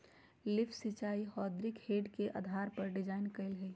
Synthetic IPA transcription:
lɪfʰsɪt͡ʃaːihɔːd̪ɾɪkheːɖkeʔa̰ːd̪ʱaːɾpɐɾɖɪd͡ʒaːɪnkɐɪlɦɛ

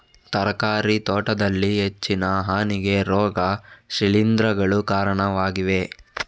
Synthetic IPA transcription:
t̪ɐɾɐkaːɾit̪ɔːʈɐd̪ɐlːiɦet͡ʃːinɐɦaːniɡe̞ɾɔːɡɐʃiɭind̪ɾɐɡɐɭukaːɾɐɳɐʋaːɡiʋe̞

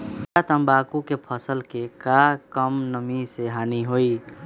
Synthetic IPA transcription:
at̪əmbaːkukepʰəsəlkekakəmnəmiseɦaːniɦoi

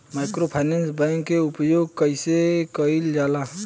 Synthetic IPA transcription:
maɪkɾopʰaɪnẽnsbɛ̃ŋkːeʊpjoːɡkəɪsekəild͡ʒaːla

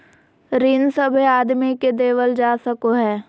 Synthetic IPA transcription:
ɾinsəbʱeaːd̪miked̪eːʋəld͡ʒaːsəkoɦɛː

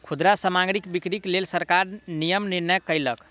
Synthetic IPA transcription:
kʰud̪ɾasəmaɡɾikbikɾiklelsəɾkaɾnijəmniɾnɛkəjlək

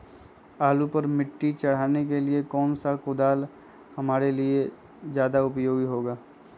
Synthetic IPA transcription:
aːlupɐɾmɪʈːit͡ʃɐɽ̤aːnek̬eliekɔːnsakʊd̪aːl | hɐmaːɾelie | zjaːd̪aʊpjoːɡiɦoːɡaː

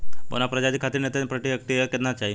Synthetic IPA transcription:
bo̰napɾəd͡ʒad̪ikʰat̪iɾnet̪epɾəʈiɦəkt̪iəked̪nat͡ʃaɦi

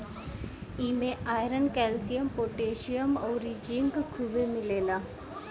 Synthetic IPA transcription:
iːmẽaːjɾənkɛːlsijəmpoːʈeːʃijəmɔːɾid͡ʒiŋɡkʰuʋemɪleːlaː

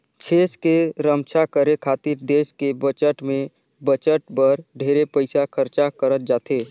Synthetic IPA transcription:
t͡ʃʰeskeɾəmt͡ʃʰakəɾekʰat̪iɾd̪eskebət͡ʃəʈme | bət͡ʃəʈ̚bəɾɖʱeɾepəɪsakʰəɾt͡ʃakəɾət̪̚d͡ʒat̪e

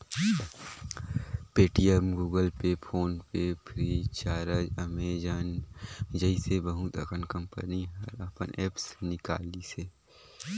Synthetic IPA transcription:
peːʈijemɡuːɡəlpepʰoːnpepʰɾiːt͡ʃaːɾəd͡ʒɐmeːd͡ʒaːnd͡ʒəisebɐɦut̪əkənkɐ̃mpə̰niɦɐɾapənɛːpsnɪka̰ːliseː

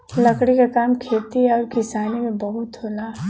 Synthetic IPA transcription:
lɐkɽikakaːmkʰeːt̪iɔːɾkɪsaːnimẽbɐɦʊt̪ɦoːla

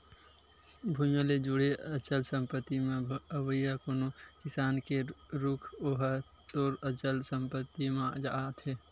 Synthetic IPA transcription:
bʱũjõled͡ʒuɽeət͡ʃəlsə̃mpət̪ːimẽəʋəjakonokɪsaːnkeɾukʰoɦə | t̪oːɾət͡ʃəlsəmpət̪ːimẽd͡ʒa̰t̪ʰeː

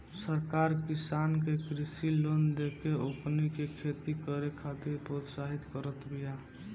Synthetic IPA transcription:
səɾkaːɾkɪsankekɾɪsilond̪ekeopnikekʰet̪ikəɾekʰat̪ɪɾpɾot̪saɦit̪kəɾət̪bija

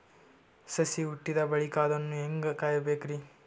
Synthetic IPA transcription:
sɐsiuʈːid̪ɐbɐɭikaːd̪onːueŋɡɐkaːjɐbeːkɾi

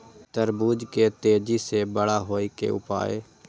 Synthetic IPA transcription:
t̪əɾbuːd͡ʒkeːt̪eːd͡ʒiːseːbəɽaːɦoːiːkḛːʊ̰pa̰ːḛː

